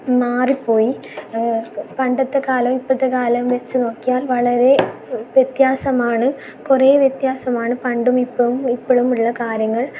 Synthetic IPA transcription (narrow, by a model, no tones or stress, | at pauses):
maːripːo̞ːji | pɐɳɖɐt̪ːekaːlɐmipːɐt̪ːekaːlɐmʋe̞t͡ɕːɨno̞ːkːijaːlʋɐɭɐɾe̞ʋjet̪jaːsɐmaːɳɨ | kureːʋjet̪jaːsɐmaːɳɨpɐɳɖumipːɐmipːoɭumuɭːɐkaːɾjɐŋːɐɭ